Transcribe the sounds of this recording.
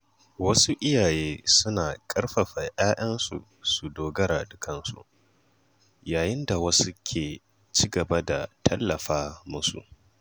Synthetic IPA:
wɐ˦su˦ʔɪ˦jaː˨jeː˦sʊ˦naː˨kʼɐ˦rɸɐ˨ɸɐ˨ʔaː˦ʔɐ˦nsṵ˨ | su˨doː˨ɡɐ˦ɾaː˨dʊ˨kʰɐ˦nsṵ˨ʔ | jaː˨jɪ˦nda˨wɐ˦su˦kʲʰeː˨ | t͡ʃi˦ɡɐ˨ba˦da˨tʰɐ˦lːɐ˨ɸaː˦mʊ˦sṵ˨ʔ

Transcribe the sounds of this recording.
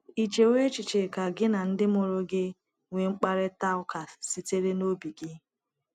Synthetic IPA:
i˨t͡ʃe˨wʷe˦t͡ʃɪ˨t͡ʃe˨ka˨ɡɪ˦na˨n̩˦dɪ˦mo˨ɾo˦ɡɪ˦ | ŋʷe˨ŋ͡m̩˦k͡pa˦ɾe˦ta˦ʊ˦ka˨si˦te˦ɾe˦no˦bi˨ɡɪ˦

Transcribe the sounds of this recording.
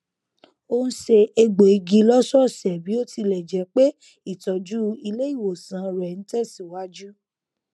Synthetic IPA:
o˦nũ˦ʃe˧e˧ɡ͡bo˨i˨˧ɡi˧˦lɔ˦sɔ˦˨sɛ˨bi˨˦o˦ti˧lɛ˨d͡ʒɛ˨˦k͡pe˦ | i˦˨tɔ˨d͡ʒu˦i˧le˦i˦˨wo˨sã˨˦ɾɛ˨n̩˦tɛ˦˨si˨wa˦d͡ʒu˦

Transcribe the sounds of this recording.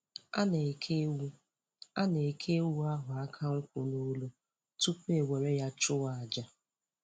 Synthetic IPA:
a˦ne˨kʰe˦wu˦ | a˦ne˨kʰe˦wu˦a˦ɦʊ˨a˦kʰa˦ŋ̩˦kʷʊ˨no˦lo˦ | tu˦ke˨we˨ɾe˦ja˦t͡ʃʊ˦wa˨a˨d͡ʒa˦

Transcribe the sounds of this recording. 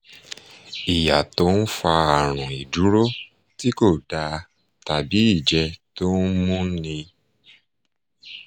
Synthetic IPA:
i˨ja˨to˨˦n̩˦fa˧a˨ɾ̃ɔ̃˨i˨du˨˦ɾo˦ | ti˦ko˦˨da˧ | ta˨bi˨˦i˦˨d͡ʒɛ˧to˦n̩˦mũ˦nĩ˧

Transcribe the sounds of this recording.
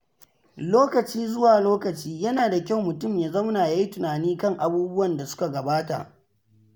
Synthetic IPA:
loː˦kɐ˨t͡ʃiː˦zʊ˦waː˨loː˦kɐ˨t͡ʃiː˦jɐ˦naː˨da˨kʲa˦˨wmʊ˨tʊ˦˨mja˨zɐ˦wnaː˨ja˦ji˦tʊ˨naː˨niː˦kɐ˦˨ŋʔa˨buː˦bʊ˦wɐ˨nda˨sʊ̥˦ka˨ɡɐ˨baː˦ta̰˨ʔ

